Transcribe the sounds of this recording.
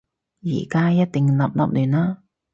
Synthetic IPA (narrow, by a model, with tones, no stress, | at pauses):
jḭː˨˩kaː˥jɐ˥t̚t̪ɪ˨ŋlɐ̰˨p̚lɐ̰˨p̚lyː˨˩nlaː˧˥